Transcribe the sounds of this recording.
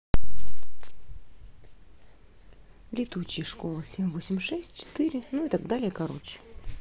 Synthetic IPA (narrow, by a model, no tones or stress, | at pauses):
lʲɪt̪ut͡ɕɪjəʂko̞lˠəsʲemʲvosʲɪmʲʂɛsʲtʲt͡ɕɪ̥t̪ɨɾʲɪnuit̪aɡ̚d̪alʲɪjəkɐɾo̞̰t͡ɕɪ̥